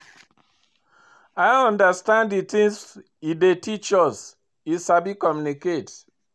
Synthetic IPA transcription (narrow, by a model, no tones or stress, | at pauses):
aɪɔ̃ndəstãnddit̪ĩŋs | idetit͡ʃɔs | isabikɔmjuniket